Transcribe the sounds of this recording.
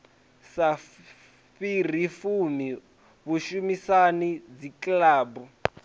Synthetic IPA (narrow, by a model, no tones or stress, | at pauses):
sa | fir̤ifumi | βuʃumisanid͡ziklaːbu